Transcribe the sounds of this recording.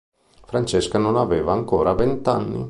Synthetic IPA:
fɾant͡ʃeskanonaveːvaːŋko̰ːɾavent̪anːḭ

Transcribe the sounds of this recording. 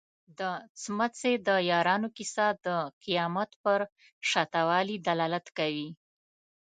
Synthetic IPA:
d̪ət͡smat͡sed̪əjɑɾɑnokisad̪əqijɑmat̪pəɾ | ʃɑt̪awɑlid̪alɑlat̪kawi

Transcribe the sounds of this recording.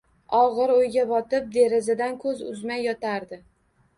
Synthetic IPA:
ɒʁɨɾojɡʲabɒt̪ɪp̚d̪e̞ɾɪzɪd̪ankʰɵzʊ̰zmajːɒt̪ʰaɾd̪ɪ

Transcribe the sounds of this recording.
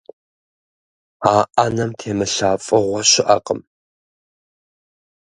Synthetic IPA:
aːʔɐnɐmtʰeːmɨɬaːfʼɨʁʷɔɕɪʔɐqʼəm

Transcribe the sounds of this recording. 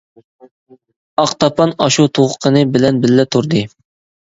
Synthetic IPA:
ɑqt̪ʰɑpʰɑnɑʃut̪ʰoʁʊqʰənɨbɪlɛnbɪlːɛt̪ʰuɾd̪ɨ

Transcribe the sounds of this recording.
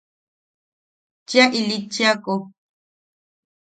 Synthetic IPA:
t͡ʃjaʔilit͡ʃjako

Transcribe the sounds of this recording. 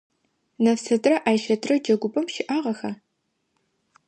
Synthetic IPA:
nɐfsɐdrɐʔaːjʃɐdrɐd͡ʒɐɡʷʊbʼɐmʃɪʔaːʁɐxɐ

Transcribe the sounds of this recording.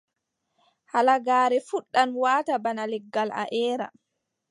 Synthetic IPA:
halaɡaːɾɛfuɗːanwaːtabanalɛɡːala̰ʔɛːɾa̰

